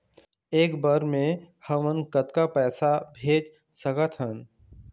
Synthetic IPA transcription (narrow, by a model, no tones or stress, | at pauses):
eːkbəɾmẽ | həmənkət̪kapɛːsabʱeːd͡ʒ | səkət̪ʰɦən